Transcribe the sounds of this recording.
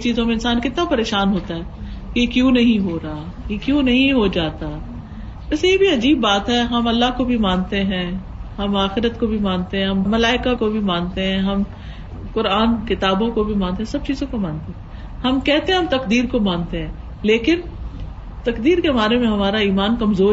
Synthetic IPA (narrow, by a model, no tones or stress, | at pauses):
t͡ʃiːzõmẽɪnsaːnkɪt̪napɐɾeːʃaːnɦoːt̪aɦɛːkejekjũːnɐɦĩɦoːɾaaː | jekjũːnɐɦĩɦod͡ʒaːt̪a | bɐsjebʱiɐd͡ʒiːbːaːt̪ɦɛɦɐmɐlːaɦkobʱimãːnt̪eɦɛ̃ː | ɦɐmaːxɪɾət̪kobʱimãːnt̪eɦɛ̃ɦɐmːɐlaːɪkakobʱimãːnt̪eɦɛ̃ɦɐm | kʊɾaːnkɪt̪aːbõkobʱimãːnt̪eɦɛ̃sɐb̚t͡ʃiːzõkomãːnt̪eɦɛ̃ | ɦɐmkɛɦt̪eɦɛ̃ɦɐ̃mt̪ɐkd̪iːɾkomãːnt̪eɦɛ̃ː | leːkɪn | t̪ɐkd̪iːɾkebaːɾemẽɦɐmaːɾaiːmaːnkɐmzoː